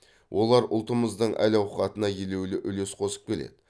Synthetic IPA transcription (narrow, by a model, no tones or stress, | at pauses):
wʔo̞lˠɑɾʊ̰lˠt̪əməzd̪əɴʔæ̰lɑwqχɑt̪ənɑjele̞wlɪʔʏle̞sqʰo̞sə̥p̚kʲʰe̞lḛd̪ɪ